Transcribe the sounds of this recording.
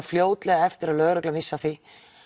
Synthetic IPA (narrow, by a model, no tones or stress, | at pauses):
fljoːwt̪lɛɣaɛft̪ɪɾaðlœɣɾœklamɪsːaθɪ